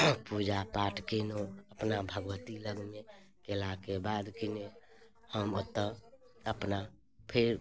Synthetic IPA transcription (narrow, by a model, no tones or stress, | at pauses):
pud͡ʒapaʈʰkenoəpnabʱəɡʋət̪iləɡme | kelakebad̪kine | həmut̪ːə | əpna | pʰeɾ